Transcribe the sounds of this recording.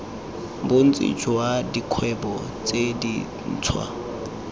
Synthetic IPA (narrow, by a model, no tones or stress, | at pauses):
bʊn̩t͡sʼɪ̰d͡ʒwadikʰwɛbɔ | t͡sʼedi | n̩ːt͡sʰwa̰